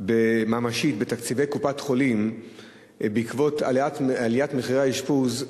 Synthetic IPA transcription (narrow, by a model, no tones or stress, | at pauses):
bemaːmaʃit̚bet̪akt͡sive̞jkupatχo̞lim | beikvo̞taatalijatmeχiʁeaiʃpuz